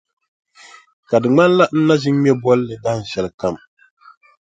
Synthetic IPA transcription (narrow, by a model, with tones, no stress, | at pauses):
ka˨dɨ˨ŋ͡ma˦n˦la˦n̩˦na˦zi˦ŋ˦mɛ˦bɔ˦lːɨ˨da˦hn̩˨ʃɛ˨lka˦˨m